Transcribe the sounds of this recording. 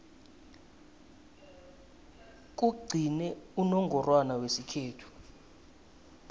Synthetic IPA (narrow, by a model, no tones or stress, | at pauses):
k̬uɡ͡ǀʱinɛunɔŋɡʱɔrwanawesikʰeːtʰu̥